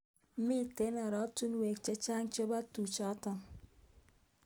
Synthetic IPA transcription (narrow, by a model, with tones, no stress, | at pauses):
mi˦˨te˨˦nɔ˨ɾɔ˨˦tu˦nwe˨k̚t͡ʃe˦t͡ʃa˦ŋt͡ʃo˦ba˦tu˨t͡ʃɔ˨˦tɔ˦˨